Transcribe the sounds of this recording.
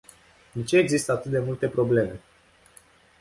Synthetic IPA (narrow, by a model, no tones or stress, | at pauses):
d̪et͡ʃe̞ːɡzist̪əat̪ɨt̪̚d̪e̞mult̪e̞pɾo̞ble̞me̞